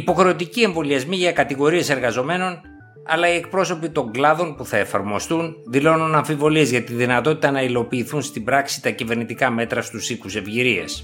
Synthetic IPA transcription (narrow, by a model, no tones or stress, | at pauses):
ipo̞xɾe̞ot̪icie̞ɱvo̞liɐzmiʝɐkɐt̪iɣo̞ɾie̞se̞ɾɣɐzo̞me̞no̞n | ɐ̰lɐie̞k̚pɾo̞so̞pit̪o̞ŋɡlɐðo̞npuθɐe̞fɐɾmo̞st̪unðilo̞nunɐɱfivo̞lie̞zʝɐt̪iðinɐt̪o̞t̪it̪ɐnɐilo̞piːθunst̪ibɾɐksi̥t̪ɐcive̞ɾnit̪ikɐme̞t̪ɾɐst̪usikuse̞vʝiɾiɐ̰s